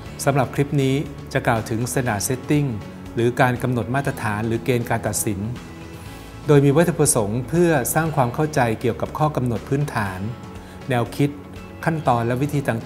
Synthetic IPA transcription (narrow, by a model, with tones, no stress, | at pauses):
sa˩˦mɾa˨˩p̚kʰɾi˦˥p̚niː˦˥ | t͡ɕa˨˩klaː˨˩wt̪ʰɯ˩˦ŋsa˧daː˨˩se˦˥t̪ːi˥˩ŋ | ɾɯː˩˦kaː˧nka˧mno˨˩t̪̚maː˥˩t̪ːɾa˧t̪ʰaː˩˦nɾɯː˩˦keː˧nkaː˧nt̪a˨˩t̪̚si˩˦n | doː˧jmiː˧wa˥t̪ʰːu˧pɾa˧so˩˦ŋpʰɯ˥˩ɐsaː˥˩ŋkʰwaː˧mkʰa˥˩wt͡ɕa˧jki˨˩əwka˨˩p̚kʰɔː˥˩ka˧mno˨˩t̪̚pʰɯː˦˥nt̪ʰaː˩˦nː | ɛː˧wkʰi˦˥t̪̚ | kʰa˥˩nt̪ɔː˧nlɛ˦˥wi˦˥t̪ʰiː˧t̪ʰaː˧˩ŋt̪